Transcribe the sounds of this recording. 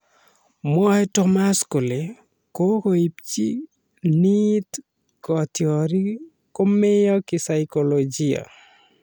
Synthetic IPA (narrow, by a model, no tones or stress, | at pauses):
mɔetɔmaskule | kokoipt͡ʃi | nit̪ | kɔt̪ʰiɔɾi | komejɔkisajkolod͡ʒija̰